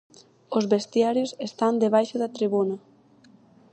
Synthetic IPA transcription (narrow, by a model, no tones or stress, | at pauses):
ozβest̪jaɾjosest̪and̪eβ̞ajʃoðɐt̪ɾiβunɐ